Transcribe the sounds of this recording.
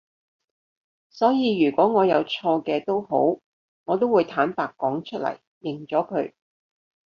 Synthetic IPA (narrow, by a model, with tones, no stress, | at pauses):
sɔː˨˥jiː˨˧ɥyː˨˩kwɔː˨˥ŋɔː˨˧jɐ˨˧wt͡ʃʰɔː˧kɛː˧t̪o˥wɦo˨˥w | ŋɔː˨˧t̪̬o˥wuː˨˧jt̪ʰaː˨˥npaː˨kːɔː˨˥ŋt͡ʃʰɵ˥t̚lɐ̰˨˩jːɪ˨˩ŋt͡ʃɔː˨˥kʰɵ˨˧ɥ